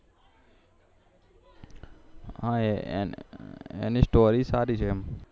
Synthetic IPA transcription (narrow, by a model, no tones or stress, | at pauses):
ɦãḛ | ḛnisʈoːɾiːsaːɾiːt͡ʃʰeɛm